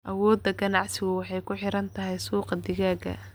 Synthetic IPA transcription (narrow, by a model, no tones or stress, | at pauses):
ʔɐwɔːd̪ːɐɡɐnɑʕsɪɣʊwɑħɑjkʰʊħɪɾɐnt̪ʰɐɦɛjsuːqɑd̪ɪɣaːɡɐ̰